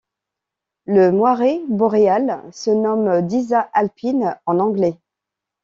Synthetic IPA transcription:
ləmwaʁebɔʁealsənɔmd̪izaʔalpʰinɑ̃nɑ̃ɡlɛ

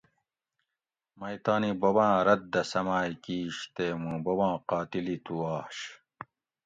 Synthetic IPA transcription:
mɐjt̪aːnibɐbãːɾɐd̪̚d̪ɐsɐmaːjkiːɕt̪eːmũːbɐwãːqaːt̪ilit̪uaːɕ

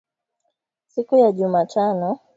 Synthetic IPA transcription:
sikujaʄumatʰanɔ

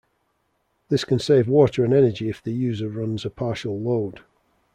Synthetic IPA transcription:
ðɪskʰə̃nseɪvwɔˑtəɹə̃nɛnəd͡ʒɪɪfðəjʉːzəɹʌ̃nzəpʰɑˑʃəlˠloʊd̥

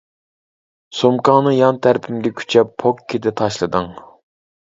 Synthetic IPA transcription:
somkɑːnɨjɑnt̪ʰæɾpʰymɡʲɛkʲʰy̥t͡ʃʰɛpʰːokʲʰːid̪ɛt̪ʰɑʃlˠɨd̪ɨŋ

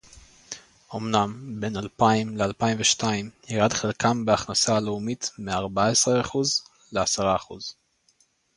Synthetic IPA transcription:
omnambenalpaimlealpaimveʃtajmhiʁadχelkʰambeaχnasaːleumitmeaʁbaesʁeaχuz | leasaʁaːχṵz̥

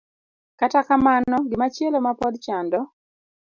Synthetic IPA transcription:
katakamanɔɡɪmat͡ʃielomapɔdt͡ʃandɔ

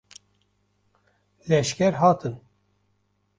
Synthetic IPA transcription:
lɛʃkʲɛɾɦɑːt̪ʰɨn

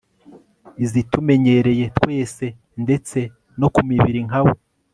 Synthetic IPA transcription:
izitume̞ɲe̞ɾe̞je̞twe̞ːse̞ | nde̞t͡se̞ | no̞kumiβiɾiŋawo

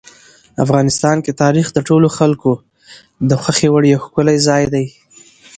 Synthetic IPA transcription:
afɣɑnɪst̪ɑnket̪ɑɾixd̪əʈoloxalko | d̪əxwaxewaɽjawxkʊlajzɑjd̪aj

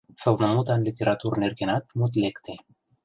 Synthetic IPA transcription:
sawvnəmut̪anlit̪ʲeɾat̪urnerkenat̪mut̪lekt̪e

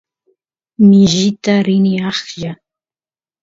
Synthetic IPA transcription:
mɪʒɪt̪aɾɪnɪɑχʎa

